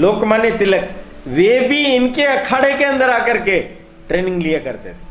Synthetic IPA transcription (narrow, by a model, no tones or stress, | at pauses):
loːkmaːnjet̪ɪlək | ʋeːbʱiɪnkeɐkʰaːɽekeɐ̃nd̪əɾaːkəɾke | ʈɾeːnɪ̃ŋɡlijakɐɾt̪et̪ʰe̥